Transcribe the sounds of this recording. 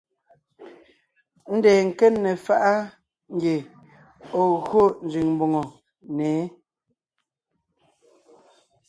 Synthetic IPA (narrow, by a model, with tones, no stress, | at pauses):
n̩˦dɛː˨ŋ̩˨kɛ˦nːɛ˨fa˦ʔa˦ | ŋ˦ɡe˨ | o˨ɣo˦˨n̩˨zi˨ŋm˨bo˨ŋo˨ | nɛː˨˦